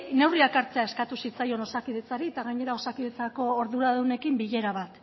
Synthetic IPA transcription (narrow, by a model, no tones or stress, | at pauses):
ne̞wriakaɾt͡se̞ae̞skat̪usit͡sajo̞no̞sakiðe̞t͡saɾit̪aɣaɲe̞ɾao̞sakiðe̞t͡sako̞ːɾðuɾaðune̞kimbiʎe̞ɾaβat̪